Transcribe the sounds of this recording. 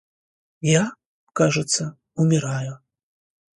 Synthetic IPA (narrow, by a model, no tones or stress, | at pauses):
ja | kaʐɨt̪sːɐ | umʲɪɾaju